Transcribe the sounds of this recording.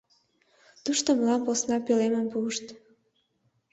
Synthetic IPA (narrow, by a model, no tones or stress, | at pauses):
t̪uʃt̪oməlɑmposnɑpileməmpuəʃt̪